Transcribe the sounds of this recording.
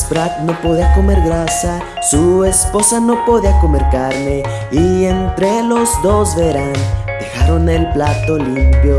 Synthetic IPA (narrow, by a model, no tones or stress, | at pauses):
spɾat̪̚no̞poðiako̞me̞ɾɣɾasa | sue̞spo̞sano̞poðiako̞me̞ɾkaɾne̞ | ient̪ɾelo̞zd̪o̞zβeɾan | d̪exaɾo̞ne̞lplat̪o̞limpjo